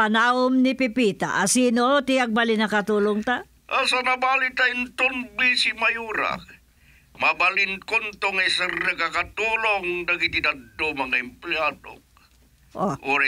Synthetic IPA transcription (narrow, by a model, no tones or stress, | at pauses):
pɐnaːʊmnɪpɪpiːt̪a̰ʔɐsiːnot̪ɪaɡ̚balɪnɐkɐt̪uːloŋt̪a | ʔasanɐbalit̪aint̪oŋbisimajuːɾa̰k | mabalinkont̪oŋɐsɛɾnɐkakat̪uːloŋd̪aɡit̪id̪ad̪d̪omɐŋaɛmplead̪o̰ | ʔoʔoɾ